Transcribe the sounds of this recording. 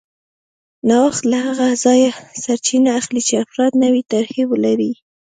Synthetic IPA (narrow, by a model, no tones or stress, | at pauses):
nɑwaxt̪lahaɣazɑjasaɾt͡ʃinaːxlit͡ʃeafɾɑd̪nawit̪aɾxewəlaɾi